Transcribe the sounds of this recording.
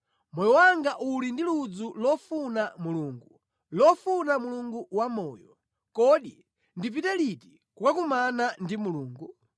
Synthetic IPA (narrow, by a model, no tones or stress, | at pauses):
mɔjɔwaŋɡaʔulindilud͡zulɔfunamuluːŋɡu | lɔfunamuluŋɡuwamɔːjɔ | kɔɗi | ndip̬itɛliti̥ | kukakumanandimuluːŋɡu